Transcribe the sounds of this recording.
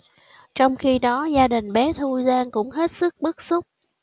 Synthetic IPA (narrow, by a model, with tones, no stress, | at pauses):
t͡ɕɔ˧wŋ͡mxi˧ɗɔ˨˦zaː˧ɗï˨˩ŋ̟ɓɛ˨˦t̪ʰu˧zaː˧ŋkʊ̰˧˥ŋ͡mɦe˦˥t̚sɨ˦˥k̚ɓɨ˦˥k̚sʊ˦˥k͡p̚